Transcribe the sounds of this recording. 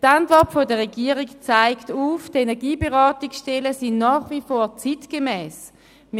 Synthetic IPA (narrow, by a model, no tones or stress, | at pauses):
tantvɔɐtfodəʁeɡiəʁikt͡saɪktuːftenɛɐɡiːbeʁɑːtiksʃtɛləsinnɑːχvifoːʁt͡sitkemɛːs | m